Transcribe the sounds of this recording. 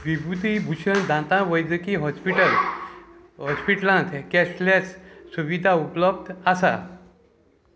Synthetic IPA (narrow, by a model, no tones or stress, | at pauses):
ʋibut̪ibʱuɕənd̪ʱãt̪ãʋəjd͡zəkiɦɔspiʈəl | ɦɔspiʈlãnt̪kɛslat͡ssuʋid̪ʱaupləbd̪ʱasa̰